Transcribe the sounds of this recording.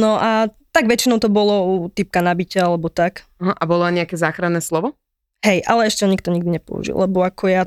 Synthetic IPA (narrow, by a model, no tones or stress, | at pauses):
nɔʔat̪aɡʋɛt͡ʃinɔʊt̪ɔbɔlɔut̪ip̚kanabicaalɛbɔt̪ak | aɦaʔabɔlɔaɲɛakɛzaːxɾanːɛslɔʋɔ | ɦɛjʔa̰lɛɛʃcɛɔɲikt̪ɔɲiɡd̪iɲɛpɔ̰ṵʒḭllɛbɔakʰɔja